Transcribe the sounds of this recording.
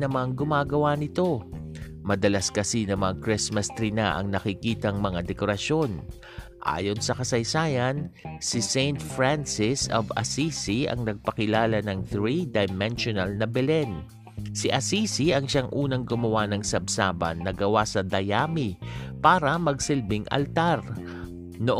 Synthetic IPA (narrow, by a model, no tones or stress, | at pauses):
nɐmɐaŋɡʊmaːɡɐwanɪt̪o̞ | mɐd̪ɐlaskɐsinɐmɐŋakɹɪsmɐst̪ɾina̰ʔɐ̰ŋnɐkɪkiːt̪ɐŋmɐŋad̪ɛkoɾɐʃo̞n | ʔa̰ːjo̞nsɐkɐsɐjsaːjɐnsɪsejnt̪fɹansɪsovɐ̰sisiɐ̰ŋnɐɡ̚pɐkɪlaːlɐnɐŋθɹid̪ɐjmɛnʃonɐlnɐbɛlɛn | siʔɐsisiɐŋʃaŋʔuːnɐŋɡʊmɐwanɐŋsɐbsaːbɐ̰nːɐɡɐwasɐd̪ɐjaːmipaːɾɐmɐɡsɪlbɪŋʔɐ̰lt̪aɾ | noʔ